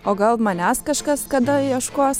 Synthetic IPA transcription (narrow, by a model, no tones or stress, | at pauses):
oːɡɐlˠmɐnʲæskɐʃkɐskɐd̪ɐiɛʃkoːs